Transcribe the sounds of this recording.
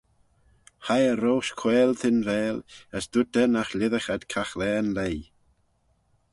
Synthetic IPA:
hajəɾowʃkʰwɛːlˠtɪnvɛːləsd̥ʊdɛnaxlɪðəxad̥kʰaxlɛːnlej

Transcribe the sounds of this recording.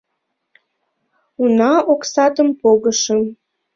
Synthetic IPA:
unɑoksɑt̪əmpoɣəʃə̆m

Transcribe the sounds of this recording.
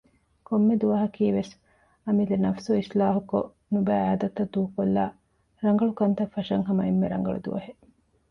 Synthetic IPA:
komːed̪uʋɐɦɐkiːʋes | ɐmid̪enɐfsuislaːɦuko̰ | nubæːaːd̪ɐt̪ːɐd̪uːukolːa̰ː | ɾɐŋɡɐɭukɐnt̪ɐfːɐʃɐŋɦɐmɐemːeɾɐ̰ŋ̆ɡɐ̰ɭṵd̪ṵʋɐ̰ɦe

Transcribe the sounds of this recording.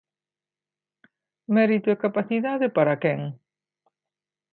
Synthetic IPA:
mɛɾit̪ʊekapaθiðaðɪpaɾɐkɛŋ

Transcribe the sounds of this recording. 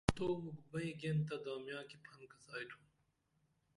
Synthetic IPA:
t̪oːmuɡbɐiɡent̪ɐd̪aːmjãːkipʰɐnkɐsaːjʈ̪ʰũ

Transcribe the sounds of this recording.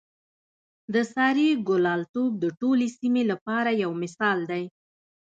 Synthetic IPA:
d̪əsɑɾiɡʊlɑlt̪ob̚d̪əʈolesimelapɑɾajawmɪsɑld̪aj

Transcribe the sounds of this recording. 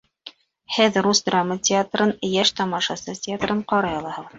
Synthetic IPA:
hɘðrusd̪ramːətʲɪat̪rɤnjæʃt̪ɑmɑʃɑsɤtʲɪat̪rɤɴqɑɾɑjɑlˠɑhɤʁɤð

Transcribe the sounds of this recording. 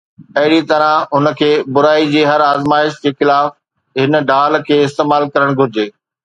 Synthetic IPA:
ɐɦɪɽit̪ɐɾãʊnə̆kʰeːbʊɾaːid͡ʑiːɦɐɾaːzmaːɪʃd͡ʑeːxɪlaːf | ɦɪnə̆ɖaːlkʰeːɪst̪eːmaːlkɐɾəɽ̃ɡʱʊɾɪd͡ʑeː

